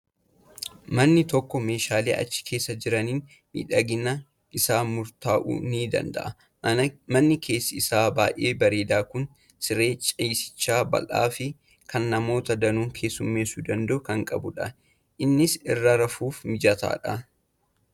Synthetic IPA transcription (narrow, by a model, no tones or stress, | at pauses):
mɐnːɪt̪ɔkːɔme̞ːʃaːlḛːʔɐ̰t͡ʃːɪ̥kʰe̞ːsːɐd͡ʒɪɾɐniːn | mḭːᶑɐɡɪnɐ | ɪsaːmʊɾt̪aːʔṵːniːd̪ɐ̰nd̪ɐ̰ʔɐ | mɐnːɪkʰe̞ːsːɪɪsaːbaːjʔe̞ːbɐɾe̞ːd̪aːkʊn | sɪɾe̞ːt͡ʃʼɐjsɪ̥t͡ʃːaːbɐ̰lʔa̰ːfɪ | kʰɐnːɐmo̞ːt̪ɐd̪ɐnuːŋkʰe̞ːsːʊmːe̞ːsuːd̪ɐnd̪ɐʔʊkɐŋkʼɐbʊᶑɐ | ʔɪnːɪsɪrːɐɾɐfuːfmɪd͡ʒɐt̪a̰ːᶑɐ